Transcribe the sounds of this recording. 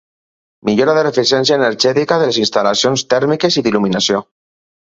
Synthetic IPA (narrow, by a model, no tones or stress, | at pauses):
miʎoɾaðerefisjɛnsjaeneɾʒɛt̪ikaðelesinst̪alasjonst̪ɛɾmikesiðiluminasjo